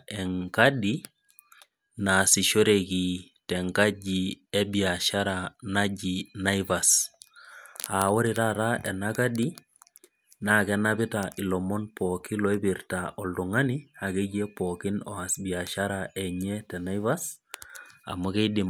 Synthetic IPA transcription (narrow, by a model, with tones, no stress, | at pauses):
ɛ˨ŋkadi | na˨si˨ʃo˦ɾeki | tɛ˨ŋka˦d͡ʒiɛbia˨ʃaɾanad͡ʒina˦ivas | a˨wɔ˦ɾitaɾaɛ˨naka˦di | nakɛnabɪ˦tai˨lɔ˨mɔ˦npɔki˦lɔ˨e˦biɾtaʔɔ˨ldu˨ŋa˦nia˨ke˦ɡe˦pɔki˦nɔ̰˨asbi˨a˨ʃaɾaʔɛ˨ɲɛtɛ˨na˦iva˦s | a̰˨mo˦ke˦di˨m